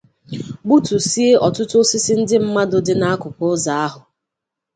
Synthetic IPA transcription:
ɡ͡bu˦tu˨si˦e˦ʔɔ˨tʊ˦tʊ˦sɪ˦sɪ˦n̩˦dɪ˦m̩˦ma˦dʊ˨dɪ˦na˦a˦kʊ˨kʊ˦za˨a˦ɦʊ˨

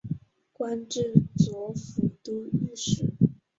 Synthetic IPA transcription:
kwa˥nʈ͡ʂɻ̩˥˩t͡swɔ˧˥fu˧˥t̪u˥y˥˩ʂɻ̩˨˩˦

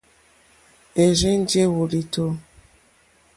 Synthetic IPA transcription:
e˨ɾi˦n˦d͡ʒe˦wo˨li˨to˦

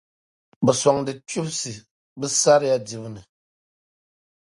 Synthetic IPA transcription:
bɛ˨sɔ˨ŋdɨ˨tu˦bsi˨ | bɨ˦sa˦ɾja˦di˨βnɨ˨

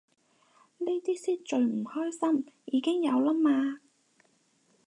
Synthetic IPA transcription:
ne˥t̪iː˥siː˥t̚t͡ʃɵ˨˧ɥm̩˨˩hɔː˥jsɐ˥mjiː˨˧kɪ˥ŋjɐ˨˧wlɐ˥maː˧

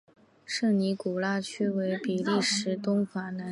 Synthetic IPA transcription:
ʂɤ˥˩ŋni˧˥ku˨˩la˥t͡ɕʰy˥we˧˥ɪpi˨˩li˥˩ʂɻ̩˧˥t̪ʊ˥ŋfa˨˩na˧˥

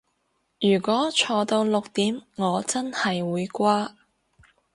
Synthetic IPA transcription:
jyː˨˩kʷɔː˨˥t͡ʃʰɔː˧t̪o˧wlʊ˨k̚t̪iː˨˥mŋɔː˨˧t͡sɐ˥nhɐ˨jwuː˨˧jkʷaː˥

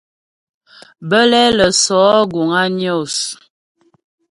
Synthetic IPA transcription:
bə˦lɛ˦lə˨sɔ˨˦ɡu˨ŋa˦njo˦˨s

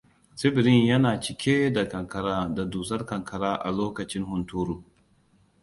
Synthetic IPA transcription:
sɪ˦bɪ˨ɾɪ˦ɲjɐ˦naː˨t͡ʃɪ˨kʲʰeː˦da˨kɐ˨ŋkɐ˨ɾaː˦da˨duː˨sɐ˦rkɐ˨ŋkʰɐ˨ɾaː˦ʔa̰˨loː˦kɐ˨t͡ʃɪ˦ŋhʊ˨ntuː˦ɾuː˨

